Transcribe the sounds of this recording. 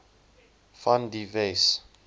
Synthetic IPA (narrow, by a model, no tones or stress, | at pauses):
fãndives